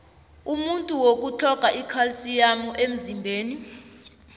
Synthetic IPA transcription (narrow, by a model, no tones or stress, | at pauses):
umuntʼuwok̬ʼut͡ɬʰɔkaʔikʰalsijamuʔem̩zimbʱeːni